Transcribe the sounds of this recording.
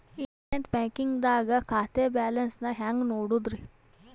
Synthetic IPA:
iɳʈɐneʈbaːkiŋɡd̪aːɡɐkʰaːt̪ebaːlɐnsnɐɦaːŋɡnoːɽud̪ɾi

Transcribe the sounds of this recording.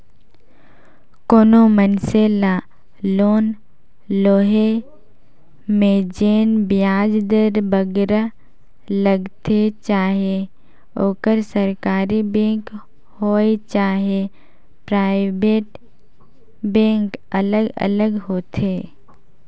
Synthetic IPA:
koːnomənseːla | loːn | loːɦe | mẽd͡ʒeːnbɪjaːd͡ʒd̪əɾbəɡɾa | ləɡt̪ʰet͡ʃaːɦe | oːkəɾsəɾkaːɾibẽːŋk | hoːet͡ʃaːɦe | pɾaːɪbeːʈ | bẽːŋkələɡə̰ləɡɦoːt̪ʰeː

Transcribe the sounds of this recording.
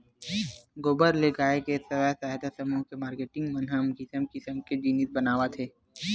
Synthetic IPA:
ɡoːbəɾleɡaːekesɐwasaːɦd̪asɐmukemaːɾkeːʈɪ̃ŋɡmɐnɦəmɡɪsəmkisəmked͡ʒiːnit̪bɐnaːwat̪ʰeː

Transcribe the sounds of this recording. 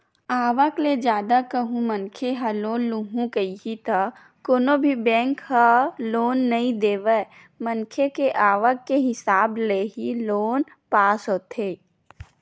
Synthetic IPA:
aːʋəkled͡ʒjaːd̪akəɦũmənkʰeɦaloːnluɦũkəiɦit̪a | koːnobʱibɛ̃ːŋkhaloːnːəĩd̪eːʋə | mənkʰekeʔaːʋəkːeɦɪsaːbleɦiloːn | paːsɦoːt̪ʰeː

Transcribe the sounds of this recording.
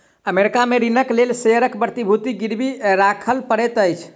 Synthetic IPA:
əmeɾikameɾinəklelseəɾəkbɾət̪ibʱut̪iɡiɾbʱiɾakʰəlpəɾɛt̪əjt͡ʃʰ

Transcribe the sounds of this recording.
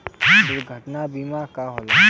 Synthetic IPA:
ɦʊɾɡʱəʈnabimakaɦol

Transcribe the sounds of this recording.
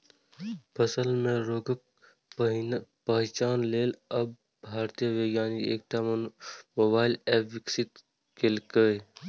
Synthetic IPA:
pʰəsəlmẽɾoːɡək̚ | pəɦt͡ʃaːnleːləb̚ | bʱaːɾt̪ijəʋeːɡjaːniḛːk̚ʈa | mobaːɪlɛːpʰʋɪksɪt̪ | kelkəe

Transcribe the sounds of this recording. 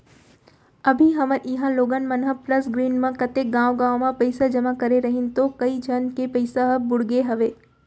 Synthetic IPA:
ɐbʱiɦɐməɾɦãloːɡənmɐnɦəplɐsɡɾiːnmãkɐt̪eːk̚ɡãːwɡãːwmãpɐɪsad͡ʒɐmakɐɾeɾɐɦɪ̃nt̪okɐid͡ʒʱɐnkepɐɪsaɦɐbʊɽɡeɦɐʋeː

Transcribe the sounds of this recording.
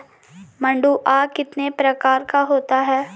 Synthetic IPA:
mɐ̃ɳɖuʔaːkɪt̪nepɾɐkaːɾkaɦoːt̪aɦɛː

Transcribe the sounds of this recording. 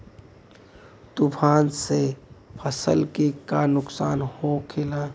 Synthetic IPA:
t̪ʊpʰaːnsepʰəsəlkekanʊksaːnhokʰela

